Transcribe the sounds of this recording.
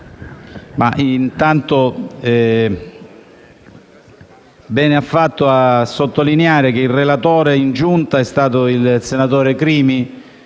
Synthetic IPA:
maʔint̪ant̪oɛ | bɛːneafːat̪ːʊasːot̪ːolineaːɾek̟eilrelat̪oːɾeind͡ʒunt̪aɛst̪aːt̪ʊilsenat̪oːɾekɾiːmi

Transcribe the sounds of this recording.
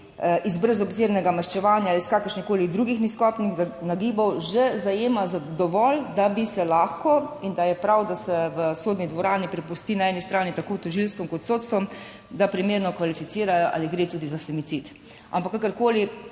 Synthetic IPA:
ʔizbɾɛzɔbzeːɾnɛɡamaʃt͡ʃɛʋaːnjaliskakəɾʃnixkoːlid̪ɾuɡixniskɔːpnixznaɡiːbɔwʒɛzajeːmazad̪ɔʋɔld̪abisɛlaːxkɔind̪ajɛpɾawd̪asɛʋəsoːd̪nid̪ʋɔɾaːnipɾɛpust̪iːnaɛːnist̪ɾaːnit̪akoːt̪ɔʒilst̪ʋɔmkɔt̪soːt̪st̪ʋɔm | d̪apɾimeːɾnɔkʋalifit̪siːɾajɔʔa̰liɡɾeːt̪uːd̪izafɛmisit̪ | a̰mpakːakəɾkoːli

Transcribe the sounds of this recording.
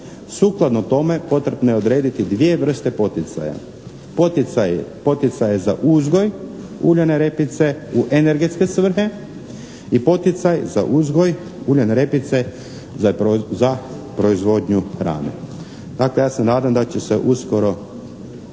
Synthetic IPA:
suːklˠad̪not̪o̞me̞po̞t̪ɾebnojeo̞d̪ɾe̞ːd̪it̪id̪ʋije̞ʋr̩st̪epo̞t̪it̪sa̰ja̰ | pot̪apo̞t̪it̪sajeza̰ʔuzɡo̞j | uːʎaneɾepit̪se̞uʔene̞ɾɡet̪ske̞sʋr̩ɦe̞ | ipo̞t̪it̪sajza̰ʔuzɡoj | uːʎaneɾe̞pit̪se̞ | zapɾo̞izʋo̞ːd̪ɲuxɾa̰ːnḛ | d̪̥akle̞jaːsamnaːd̪amd̪at͡ɕese̞ʔuskoɾo̞

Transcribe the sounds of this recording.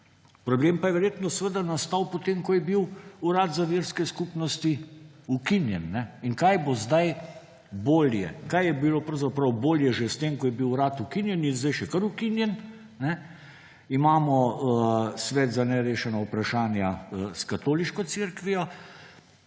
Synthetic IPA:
pɾɔbleːmpajɛʋɛɾjeːt̪nɔsʋəd̪anast̪awpot̪eːmkɔjɛbiwuɾaːt̪zaʋiːɾskɛskupnɔst̪i | ukinjɛnːɛiŋkajbozd̪aj | boːljɛ̰kajjɛbilopɾɐwzapɾɐwboːljɛʒest̪emkɔjɛbiwɾaːt̪ukinjɛninzd̪ajʃɛkəɾukinjɛn | nɛ | imaːmɔ | sʋɛːt̪zanɛɾeːʃɛnaupɾaʃaːnjaskat̪oːliʃkɔt̪seɾkʋijɔ

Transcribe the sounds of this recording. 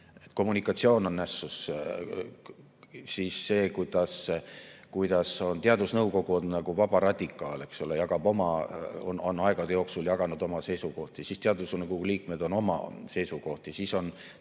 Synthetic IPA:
et̪ːˑko̞mːunikːˑɑt̪sio̞ːno̞nːæsːus | sisːe̞ːkujd̪̥ɑs | kujd̪̥ɑso̞nt̪eɑd̪̥usnɤwko̞ɡ̥uonnɑɡ̥uvɑb̥ɑɾɑd̪̥ʲikːˑɑ̰ːle̞ksolejɑɡɑb̥o̞mɑo̰nonɑeɡ̥ɑd̪ejo̞ːksuljɑɡ̥ɑnud̪̥o̞mɑse̞jsuko̞ht̪jsist̪eɑd̪usnkuuliːk̚me̞d̪̥o̞no̞mɑ̰se̞jsuko̞ht̪jɑsiso̞n

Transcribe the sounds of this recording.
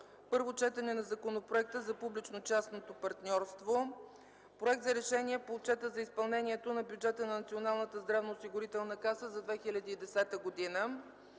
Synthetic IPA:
pɤɾvot͡ʃɛt̪ɐnɛnɐzɐkonopɾoɛk̚t̪əzɐpublit͡ʃnot͡ʃasnot̪opɐɾt̪nʲɔɾst̪vo | pɾoɛk̚t̪zɐɾɛʃɛniɛpoːt͡ʃɛt̪əzɐispɐlˠnɛniɛt̪onɐbʲjud͡ʒɛt̪ənɐnɐt̪sionalˠnət̪əzd̪ɾavnoːsiɡʊɾit̪ɛlˠnəkasəzɐd̪vɛxilʲɐd̪iːd̪ɛsɛt̪əɡod̪inə

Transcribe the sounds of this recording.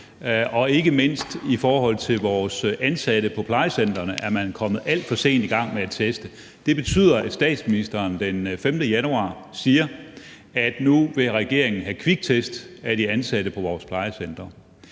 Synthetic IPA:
ʔɒ̽e̝ɡ̥əme̝n̰sd̥ifɒːhɒ̽l̰t͡sʰe̝lʋɒːsænsæɾ̥əpʰɒ̽pʰlɑ̈ɪəsend̥ɐnəʔæɐmænkʰɒ̽mð̞̩ˠæl̰d̥fɒ̽se̝̰ːnd̥iɡ̥ɑ̈ŋ̰meæt͡sʰesd̥ə | d̥e̝b̥e̝t͡sʰy̰ð̰ˠɐæsd̥ɛ̰ːd̥sminisd̥ɐːnd̥enfemd̥əjænuɑ̰̈ː | siːɐ | æd̥nuʋe̝ʁɛɡ̥e̝ɐ̰e̝ŋn̩ɦækʰʋiɡ̥̚t͡sʰesd̥æɾ̥iænsæd̥əpʰɒ̽ʋɒːspʰlɑ̈ɪəsen̰d̥ʁɐ

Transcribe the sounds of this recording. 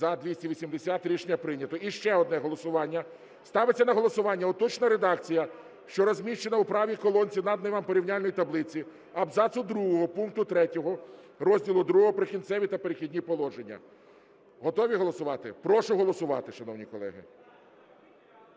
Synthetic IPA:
zɐd̪ʋʲisʲtʲiʋʲisʲimd̪esʲat̪ɾʲiʃnʲːɐpɾɪnʲɐt̪ɔʔiʃt͡ʃɛɔd̪nɛɦɔlˠɔsʊʋɑnʲːɐ | st̪ɑʋet͡sʲːɐnɐɦɔlˠɔsʊʋɑnʲːɐɔt̪ɔt͡ʃnɐɾed̪ɑkt͡sʲijɐ | ʃt͡ʃɔɾɔzʲmʲiʃt͡ʃenɐwpɾɑʋʲikɔlˠɔnʲt͡sʲinɐd̪neʋɐmpɔɾʲiwnʲalʲnɔjit̪ɐblˠɪt͡sʲi | ɐbzɑsʊd̪ɾuɦɔɦɔpuŋkt̪ʊt̪ɾɛtʲɔɦɔ | ɾɔzʲdʲilˠʊd̪ɾuɦɔɦɔpɾɪkʲint̪sɛʋʲit̪ɐpeɾexʲidʲnʲipɔlˠɔʒenʲːɐ̰ | ɦɔt̪ɔʋʲiɦɔlˠɔsʊʋɑt̪ɪpɾɔʃʊɦɔlˠɔsʊʋɑ̰t̪ɪʃɐnɔwnʲikɔlˠɛ̰ɦɪ̰

